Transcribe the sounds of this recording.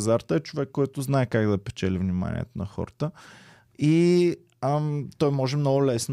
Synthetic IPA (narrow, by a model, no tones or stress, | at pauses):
zaɾt̪əɛt͡ʃovɛkːɔjt̪ʊznaɛkaɡd̪ɐpɛ̥t͡ʃɛlivnima̰nʲḭɛ̰t̪ʊnɐxɔ̰ɾət̪ə | i | t̪ɔjmɔʒɛmnɔɡʊlɛsn